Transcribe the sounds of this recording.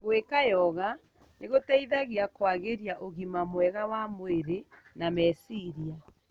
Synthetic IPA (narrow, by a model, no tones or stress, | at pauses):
ɣwekajɔɣa | neɣotɛiðaɣiakwaɣeɾjaʔoɣimamwɛɣawamoeɾe | namɛsiɾia